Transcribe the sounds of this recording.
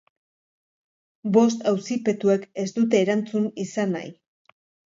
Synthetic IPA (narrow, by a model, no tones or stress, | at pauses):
bo̞st̪awsipe̞t̪ue̞ke̞sd̪ut̪̬e̞ːɾant͡sunisana̰j